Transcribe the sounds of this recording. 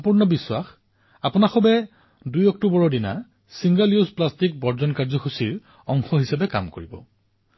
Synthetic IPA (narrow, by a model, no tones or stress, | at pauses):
mpuɹnɔbiswax | apʊnaxɔbɛ | dujɔk̚tubɔɹɔdina̰ | siŋɡaliuzplastik̚bɔɹzɔnkaɹzɔxusiɹ | ɔŋxɔɦisapɛka̰mkoɹibɔ̰